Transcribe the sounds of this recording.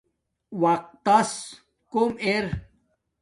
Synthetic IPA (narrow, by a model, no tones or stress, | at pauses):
waq̚t̪ːɐs | komeɾ